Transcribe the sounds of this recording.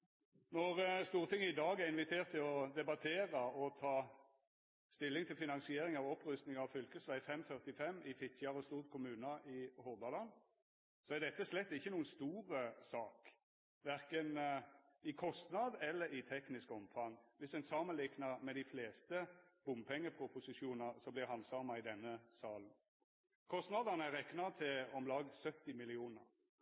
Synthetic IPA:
nɔʁst̪uːʁt̪ʰɪŋːəɪd̪ɑːɡæʁɪnʋɪt̪ʰeːʁt̪ːɪlɔd̪ɛbɑt̪ʰeːʁəɔt̪ʰɑː | st̪ɪlːɪŋt̪ʰɪlfɪnɑnsɪeːɾɪŋɑʋɔpʁʉst̪nɪŋɑʋfʏlkəsʋæɪfɛmːfœʁt̪ɪfɛmːɪfɪt̪ʰçɑʁɔst̪uːʁt̪̚kʰʊmʉːnəʔɪhɔʁbɑlɑn | sɔæʁd̪ɛt̪ːəslɛt̪ːɪçːənuːənst̪uːʁəsɑːk | ʋæʁkən | ɪkʰɔst̪nɑd̪ɛlːəɾɪt̪ʰɛknɪskɔmfɑŋʋɪsɛnsɑːmənlɪknɑʁmɛd̪ɪfleːst̪əb̥ʊmpʰɛŋːəpʰʁʊpʊsɪʂuːnəsɔmblɪhɑnsɑːmɑɪd̪ɛnːəsɑːln̩ | kʰɔst̪nɑd̪ɑnəæʁɛknɑd̪̚t̪ʰɪɔmlɑːɡsœt̪ːɪmɪlɪuːnəʁ

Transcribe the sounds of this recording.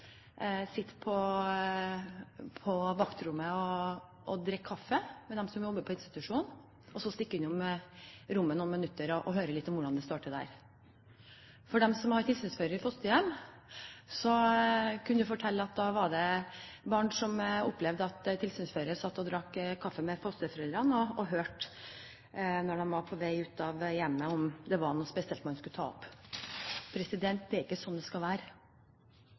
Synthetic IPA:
sɪt̪ːpʰɔ | pʰɔʋɑkt̪ɾʉmːəɔ | ʔɔd̪ɾɛkʰːɑfːəmɛd̪ɛmsɔmjɔbːəpʰɔɪnst̪ɪ̥t̪ʉʂuːn | ɔsːɔst̪ɪkːɪnːʊm | ɾʊmːənuːnmənʉt̪ːəɾɔʔɔɦøːɾəlɪt̪ːɔmʋʊɖɑnd̪ɛst̪ɑːʈəd̪æ̰ɾ | fɔɖɛmsɔmhɑɾʈ̪ʰɪlsyːnsføːɾəɾfɔst̪əjɛmː | sɔkʰʉnːəd̪ʉfɔʈʰɛlːəɑt̪̚d̪ɑʋɑɖɛbɑːɳʂɔmɔpːlɛʋd̪əɑt̪t̪ʰɪlsyːnsføːɾəsɑt̪ːɔd̪ɾɑkːkʰːɑfːəmɛfɔst̪əfœɾɛləɾɑnɔɔɦøːʈ | nɔɖɛnʋɑɾpʰɔʋæɪʉːt̪ɑʋjɛmːəɔmd̪ɛʋɑnuːspɛsɪɛlt̪mɑnskʉt̪ʰɑ̰ːɔ̰p | pʰɾɛsɪd̪ɛnt̪̚d̪ɛɪkːəsɔnːd̪ɛskɑlʋæːɾə

